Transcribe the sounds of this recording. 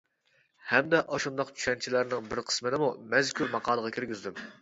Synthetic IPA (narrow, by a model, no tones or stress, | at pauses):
hɛmd̪ɛʔɑʃund̪ɑqt͡ʃʰy̥ʃɛnt͡ʃʰilæɾnɪŋbɪɾqʰə̥smɪd̪ɪmumɛzkʲʰuɾmɑqʰɑːlˠəʁɑkʲʰyɾɡʲyzd̪ym